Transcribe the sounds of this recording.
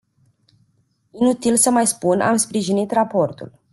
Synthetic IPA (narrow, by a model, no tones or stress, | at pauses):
inut̪ilsəmajspuna̰mspɾiʒinit̪rapo̞rt̪ṵl